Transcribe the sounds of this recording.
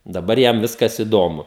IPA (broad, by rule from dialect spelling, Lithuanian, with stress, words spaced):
dɐˈbɐr ˈjɛm ˈʋʲɪskɐs ɪˈdoːmʊ